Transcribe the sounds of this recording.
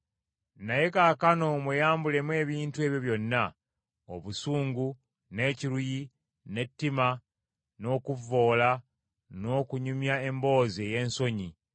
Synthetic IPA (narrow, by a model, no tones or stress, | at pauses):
naje̞kakano̞mwejaːmbule̞mwe̞ːβiːntue̞ːβjo̞βjo̞nːa | o̞βusuːŋɡu | ne̞ːciɾuji | ne̞tːima | no̞ːkuvːo̞ːla | no̞ːkuɲumjae̞mbo̞ːze̞ːje̞ːnso̞ɲi